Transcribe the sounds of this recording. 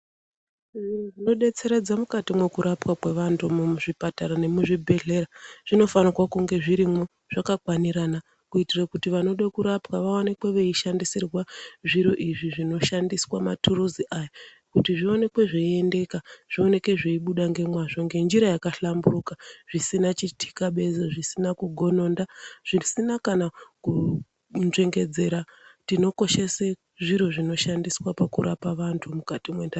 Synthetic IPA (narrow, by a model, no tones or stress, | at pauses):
ʐiʐino̞ɗe̞t͡se̞ɾed͡zamukatimwe̞kuɾʔapwakwe̞ʋantʰumuʐipataɾane̞muʐibʱe̞ɮe̞ɾaʐ̥ino̞fanirwakuŋɡe̞ʐiɾimwo | ʐ̥akakwaniɾana | kuitirakutiʋano̞ɗakuɾapwaʋaonekwe̞ʋeiʃandisirwaʐiɾo̞ʔiʐiʐino̞ʃandiswama̰tʰuruziʔaːja | kutiʐio̞ne̞kwe̞ʐeie̞nde̞kaʐ̥io̞ne̞kwe̞ʐeiɓuɗaŋɡe̞mwaʐo̞ŋɡe̞nd͡ʒiɾajakaɬamburukaʐ̥isinat͡ʃitʰi̥kaɓe̞zeʐisinakuɡʱo̞no̞ːndaʐ̥isinakanaku | nʐeŋɡe̞d͡ze̞ɾatino̞ko̞ʃe̞se | ʐiɾo̞ʐino̞ʃandiswapakṵɾapaʋantʰumukatimwenda